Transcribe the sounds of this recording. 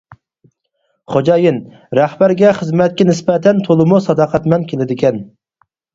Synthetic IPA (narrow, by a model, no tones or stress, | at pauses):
χod͡ʒɑjin | ɾæhbæɾɡʲɛχəzmɛt̪̚kʲɛnɪsbɛt̪ʰɛnt̪ʰolˠɨmusɑd̪ɑqʰɛt̪mɛnkʲʰelɪd̪ɪkʲɛn